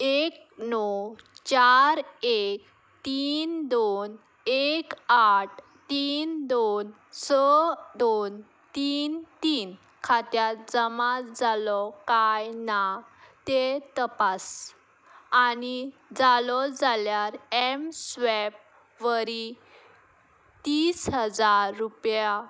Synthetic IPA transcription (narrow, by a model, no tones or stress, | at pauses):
ek̚ | nɔt͡ɕaɾek | t̪iːnd̪on | ekaʈ̚ | t̪iːnd̪on | səd̪on | t̪iːnt̪iːn | kʰat̪jat̪d͡zəmad͡zalɔkajnat̪et̪əpas | anid͡zalɔd͡zaljaɾemsʋɛp̚ | ʋəɾi | t̪iːsɦəd͡zaɾːupja